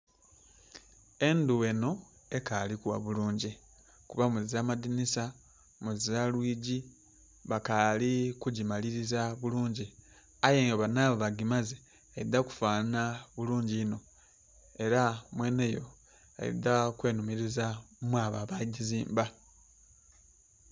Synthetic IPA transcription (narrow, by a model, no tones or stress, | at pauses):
e̞nduwe̞no̞ | e̞kalikuwa̰βuluːɲɟi | kuβamuzizamadinisa | muzizalwiːɟi | βakalikuɟimaliɾizaβuluːɲɟi | ajeːŋɡoβanaːβoβaɡimaze | aid̪aku̥faːnaβuluːɲɟiːno̞ | e̞ɾamwe̞ːne̞jo̞ | a̰ḭd̪akwe̞ːnumiɾizamwaβaβaɟiziːmba